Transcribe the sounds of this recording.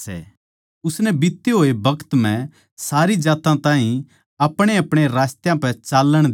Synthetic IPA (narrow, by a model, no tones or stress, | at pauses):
ɛ̰ | ʊsnɛbɪt̪ːeɦoːebʱɐkə̥t̪m̤ɛ̃ | saːɾid͡ʒaːt̪ãt̪ãːɦĩ | ɐpɽ̃eɐpɽ̃eɾaːst̪jãpɛt͡ʃaːlːəɽ̃d̪